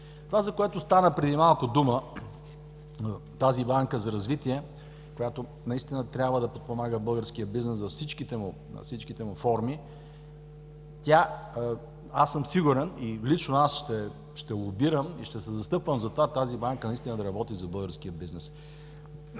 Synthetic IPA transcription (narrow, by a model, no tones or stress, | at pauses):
t̪ovazɐkoɛt̪ʊst̪anəpɾɛd̪imalˠkʊd̪umə | t̪azibaŋkəzɐɾɐzvit̪iɛ | kojat̪o | nɐist̪inət̪ɾʲabvəd̪ɐpot̪̚pomaɡəbɤlˠɡəɾsk̟ijəbiznɛszɐfsit͡ʃkit̪ɛmʊ̰ | fsit͡ʃkit̪ɛmʊfɔɾmi | t̪ʲa | asːəmsiɡuɾɛnilit͡ʃnoasʃt̪ɛ | ʃt̪ɛlˠʊbiɾəmiʃt̪ɛsɛzɐst̪ɤpvəmzɐt̪ovat̪azibaŋkənɐist̪inəd̪ɐɾɐbɔt̪izɐbɤlˠɡəɾsk̟ijəbiznɛs